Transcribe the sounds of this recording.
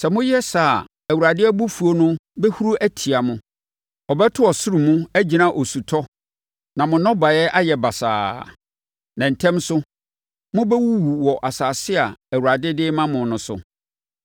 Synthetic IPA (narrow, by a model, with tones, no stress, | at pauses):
sɛ˨mʊ̃˦jɛ˦saː˨ | æ˨wu˨ɾa˨dɪ˦ɛ˦bu˦fu˨o˦nʊ̃˦bɛ˦hu˦ɾu˦ʔæ˦tʰi˨a˨mʊ̃˦ | ɔ˨bɛ˦tʰʊ˦ɔ˨sʊ˦ɾu˨mũ˦æ˦d͡ʑi˨nã˦ʔo˨su˨tʰɔ˦ | nã˨mʊ̃˨nɔ̃˦ba˨ɛ˦ʔa˦jɛ˨ba˨sa̰ː˨ | nã˨n̩˨tʰɛ̃˦msʊ˦ | mʊ̃˦bɛ˦wu˦wu˨wɔ˨ʔa˨saː˨sɪ˦a˨æ˨wu˨ɾa˨dɪ˦dɪ˦mã˦mʊ̃˨˦nʊ̃˦sʊ̰˦